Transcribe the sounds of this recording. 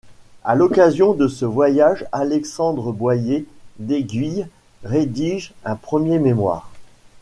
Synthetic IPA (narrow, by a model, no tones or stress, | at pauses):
alɔkazjɔ̃d̪əsəvwajaʒalɛksɑ̃d̪ʁəbwajed̪eɡʲɥij | ʁed̪iʒɛ̃pχəmjememwa̰ːʁ